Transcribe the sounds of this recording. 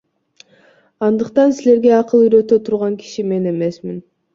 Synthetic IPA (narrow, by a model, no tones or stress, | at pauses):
ɑnd̪ɯqt̪ɑnsile̞ɾɡe̞ɑqɯlˠyjɾø̞t̪øt̪ʰuɾʁɑŋki̥ʃime̞ne̞me̞smin